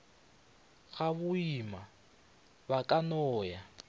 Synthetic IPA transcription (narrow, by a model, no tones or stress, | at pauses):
ɣaβʊima | bakʼanɔːja